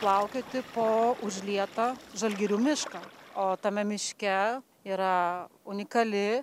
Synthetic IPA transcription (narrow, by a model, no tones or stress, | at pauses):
plˠɐʊkʲet̪ʲɪpoːʊʒʲlʲiɛt̪ɐʒɐlʲɡʲɪɾʲuːmʲɪʃkɐoːt̪ɐmʲɛmʲɪʃʲkʲɛ | iːɾɐʊnʲɪkɐlʲɪ